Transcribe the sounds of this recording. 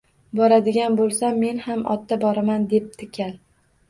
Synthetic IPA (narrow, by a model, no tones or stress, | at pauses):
bɒɾad̪ɪɡʲanbolˠsamːe̞nhamʔɒ̰t̪ːabɒɾamand̪e̞p̚t̪ʰɪkʲʰal